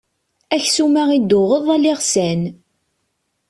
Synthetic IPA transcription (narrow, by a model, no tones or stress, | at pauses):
æçsumæʁid̪ʊʁəðˤælːɪʁsæn